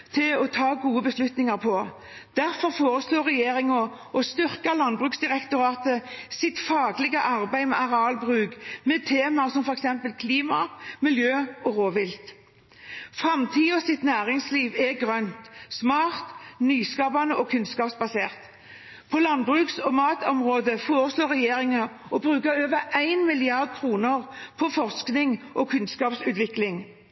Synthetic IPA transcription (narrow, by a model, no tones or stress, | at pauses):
t̪ʰɪlɔt̪ʰɑːɡuːəbəslʉt̪nɪŋɑʁpʰɔ | d̪̥æʁfɔʁfoːʁəsloːʁɛjeːʁɪŋɔ | ɔst̪ʏʁkɑlɑnbʁʉːksd̪ɪʁɛkt̪ʊɾɑːt̪əsɪt̪fɑːɡlɪɡəʔɑʁbæɪmɛʔɑʁɑːlbʁʉːɡmɛt̪ʰeːmɑsɔmfɔʁɛksɛmpəlkʰliːmɑmɪljøːɔʁoːʋɪlt̪ | fʁɑmt̪ʰiːɔsɪt̪næːʁɪŋsliːʋɛɡʁœnt̪smɑːʁt̪nyːskɑːbɑnəʔɔkʰʉnskɑːpsbɑseːʁt̪ | pʰɔlɑnbʁʉːksɔmɑːt̪ɔmʁoːd̪əfoːʁəsloːɾʁɛjeːɾɪŋɑɔbʁʉːkəɾøːʋəɾæɪnmɪlɪɑʁd̪̚kʰɾuːnəʁpʰɔfɔʁsknɪŋʔɔkʰʉnskɑːpsʉːt̪ʋɪklɪŋ